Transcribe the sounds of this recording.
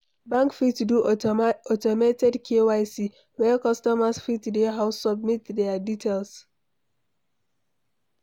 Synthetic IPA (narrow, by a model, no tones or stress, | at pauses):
bãŋkfitduɔtɔmetɛdkʰewaɪsi | wɛkɔstɔmasfitdeɦaʊsːɔb̚mitdɛaditʰelˠs